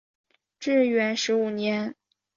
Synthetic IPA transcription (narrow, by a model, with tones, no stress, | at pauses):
ʈ͡ʂɻ̩˥˩ɥɛ˧˥nʂɻ̩˧˥u˨˩njɛ˧˥n